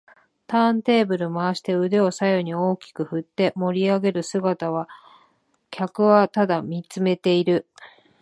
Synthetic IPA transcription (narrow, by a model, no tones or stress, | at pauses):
t̪ãnt̪e̞ːbɯ̟ɾɯ̟maːɕi̥t̪e̞ɯ̟d̪e̞o̞sajo̞ɲ̟io̞ːkʲi̥kɯ̟ɸɯ̟t̪ːe̞mo̞ɾʲiaɡe̞ɾɯ̟sɨɡat̪aβ̞a | kʲʰakɯ̟βat̪ad̪amʲit͡sɨme̞t̪e̞iɾɯ̟